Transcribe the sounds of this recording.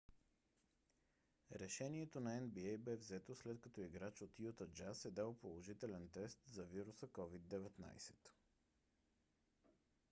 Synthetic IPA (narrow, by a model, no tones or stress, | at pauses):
ɾɛʃɛniɛt̪onɐɛnbiɛjbɛvzɛt̪oslɛt̪kɐt̪ɔiɡɾat͡ʃot̪jut̪əd͡ʒasɛd̪alˠpolˠoʒit̪ɛlɛnt̪ɛst̪zɐviɾusəkɔvid̪ːɛvɛt̪na̰jsɛ̥t̪